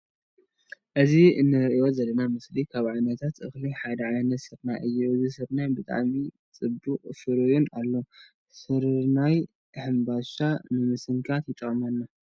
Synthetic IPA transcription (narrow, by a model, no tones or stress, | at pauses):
ʔɨziɨnːɨɾɨʔijo̞zɐlːɐnamɨslikʰaβʕajnɐt̪ʰat̪ʔɨxliħad̪ɐʕajnɐt̪sɨɾnaʔɨjːuʔɨzisɨɾnajbɨt̪ʼa̰ʕmi | t͡sʼɨbuqʼfɨɾɨjunalːo | sɨɾnaj | ɨħɨmbaʃanɨmɨsɨŋkʰat̪jɪt̪ʼːɨχʼmɐnːa